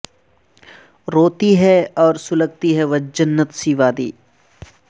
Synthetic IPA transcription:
ɾoːt̪iɦɛɔːɾsʊləɡ̚t̪iɦɛʋɐd͡ʒənːət̪siʋaːd̪ḭː

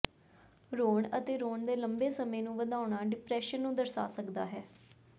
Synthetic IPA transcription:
ɾoːɳət̪eːɾoːɳd̪eːləmbeːsəmẽːnũːʋəd̪aːʊɳaːɖɪpɾɛːʃənːũːd̪əɾsa̰ːsəkd̪a̰ːɦɛː

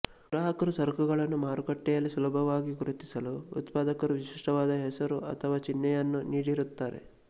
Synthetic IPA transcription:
ɡɾaːɦɐkɐɾusɐɾkʰuɣɐɭɐnːumaːɾukɐʈːɛjɐlːisulɐbʱɐʋaːɡiɡuɾut̪isɐlṵːt̪paːd̪ɐkɐɾuʋiʃiʂʈɐʋaːd̪ɐɦɛsɐɾuʔɐ̰t̪ʰɐʋaːt͡ʃinːɛjɐnːuniːɽiɾut̪ːaːɾḛ

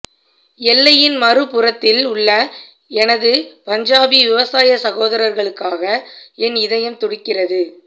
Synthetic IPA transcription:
ɛlːɐjɪnmɐrɯpɯrɐt̪ːɪlʊɭːɐ | ɛnɐðɯpɐɲd͡ʒaːʋiʋɪʋɐsaːjɐsɐɣoːðɐɾɐɾɣɐɭɯkːaːɣɐɛnɪðɐjɐmt̪ɔɽɪkːɪrɐðɯ

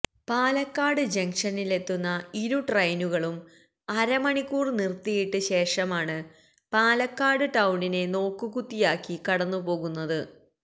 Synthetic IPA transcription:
paːlɐkːaːɽɨd͡ʑɐŋʂɐnile̞t̪ːunːɐiɾuʈrɐjnuɣɐɭum | ɐɾɐmɐɳikːuːrnirt̪ijiʈːɨɕe̞ːʂɐmaːɳɨ | paːlɐkːaːɽɨʈɐwɳine̞no̞ːkːɨkut̪ːijaːkːikɐɽɐnːupo̞ːɣunːɐðɨ

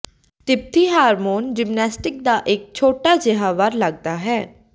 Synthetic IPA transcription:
ʈɪp̚t̪iːɦaːɾmoːnd͡ʒɪmnɛːsʈɪk̚d̪aːʔɪk̚t͡ʃʰoːʈaːd͡ʒɪɦaːʋəɾləɡ̚d̪aːɦɛː

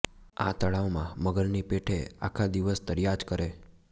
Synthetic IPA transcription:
a̰t̪əɭaʋmãməɡəlnipeʈʰea̰kʰad̪iʋəst̪əɾjad͡ʒkəɾe

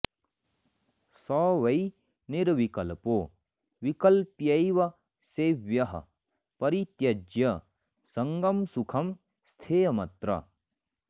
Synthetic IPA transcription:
sɐʋɐj | niɾʋikɐlpo | ʋikɐlpjɐjʋɐ | seːʋjɐɦɐ̰ | pɐɾit̪jɐd͡ʒjɐ | sɐŋɡɐmsukʰɐm | st̪ʰeːmɐt̪ɾɐ̰

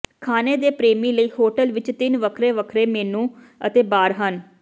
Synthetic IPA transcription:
kʰaːneːd̪eːpɾeːmĩːləiːhoːʈəlʋɪt͡ʃt̪ɪnʋəkʰɾeːʋəkʰɾeːmeːnũː | ət̪eːbaːɾɦən

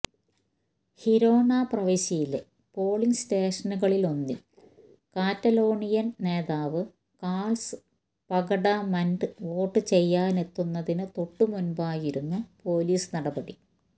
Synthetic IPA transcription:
hiɾo̞ːnaːprɐʋɐɕɐjile | po̞ːɭinsteːʂɐnuɣɐɭilo̞nːi | kaːtːɐlo̞ːɳijɐnne̞ːðaːʋɨ | kaːɭsɨ̥ | pɐɡɐɽɐmɐnɖɨʋo̞ːʈːɨt͡ɕe̞jːaːne̞t̪ːunːɐðinɨt̪o̞ʈːumunbaːjiɾunːupo̞ːliːsɨnɐɽɐbɐɽi

